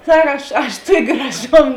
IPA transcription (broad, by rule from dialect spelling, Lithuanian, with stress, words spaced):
ˈsɐk ˈɐʃ ɐʃ ˈtuɔkʲ ɡrɐˈʒoːm